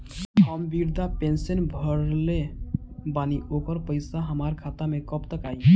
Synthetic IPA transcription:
ɦəmbiɾd̪apensənbʱəɾle | baniʔokəɾpəɪsaɦəmaɾkʰat̪amekəpt̪əkai

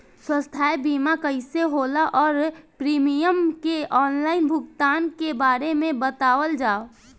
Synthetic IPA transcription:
swə̃st̪ʰaːjbiːmakəɪseɦolaʔɔːɾpɾimijəmkeɔːnlaːɪnbʱʊɡt̪aːnkebaːɾemẽbət̪aːwəld͡ʒaːo

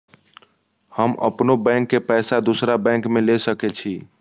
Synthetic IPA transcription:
həmə̰pnobɛ̃ŋkːepɛɪsad̪usɾabɛ̃kmelesəkɛt͡ʃʰi

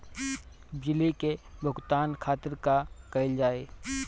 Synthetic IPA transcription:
bɪlikebʱʊɡt̪aːnkʰaːt̪ɪɾkakɐɪld͡ʒaːeː

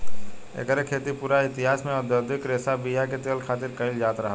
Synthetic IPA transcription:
ḛkəɾekʰeːt̪ipuːɾaɪt̪ɪɦaːsmẽɔd̪əd̪ʱɪkɾesabijaket̪elkʰaːt̪ɪɾkəɪld͡ʒaːt̪ɾəɦəl

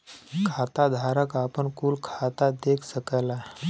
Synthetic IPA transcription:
kʰat̪ad̪ʱaɾəkapəɳkuːlkʰat̪ad̪ekʰsəkəla

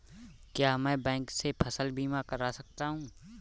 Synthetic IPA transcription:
kjaːmɛ̃ːbɛ̃ːŋksepʰɐsəlbʱiːmakɐɾasɐk̚t̪aɦũː

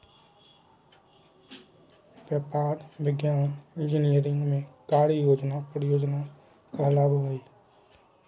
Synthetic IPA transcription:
ʋjaːpaːɾʋɪɡjaːnɪ̃nd͡ʒɪnijəɾɪ̃ŋɡmẽkaːɽijoːd͡ʒnapɾjoːd͡ʒna | kəlaːboiː

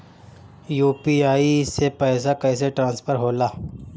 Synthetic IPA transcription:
juːpiaːisepɛːs̬akɐːseʈɾãːnspʰəɾɦoːlaː

